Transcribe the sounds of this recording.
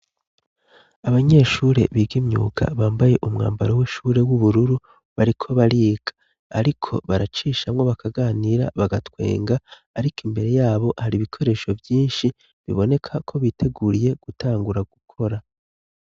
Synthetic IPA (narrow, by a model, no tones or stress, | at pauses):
aβaɲe̞ːʃuːɾe̞̰βiːɡimɲṵːɡa̰βaːmbaje̞ʔumŋa̰ːmbaɾowiʃuːɾe̞wuβuɾuɾu | βaɾikʰo̞βaɾiːɡ̥ḁː | ɾikʰo̞̰βaɾat͡ʃiːʃamŋo̞βakʰaɡaːniɾa̰βaɡatwe̞̰ːŋɡaː | ɾikimbe̞ɾe̞jaːβo̞haɾiβikʰo̞ɾe̞ːʃo̞vjiːnʃi | βḭβo̞ne̞kʰakʰo̞βiːtʰe̞ɡuɾije̞ɡ̥utʰaːŋɡuɾaɡ̥ukʰo̞ɾa